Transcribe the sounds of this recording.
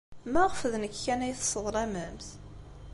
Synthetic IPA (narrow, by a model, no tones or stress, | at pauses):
mæʁəfəðnəkːænæjθsˤːəðˤɾˤæməmθ